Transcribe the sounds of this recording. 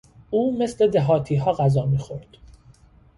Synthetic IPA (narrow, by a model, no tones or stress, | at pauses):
uːme̞sle̞d̪eɦɒːt̪ʰiːɦɒːɣæzɒːmiːxo̞ɾd̪̥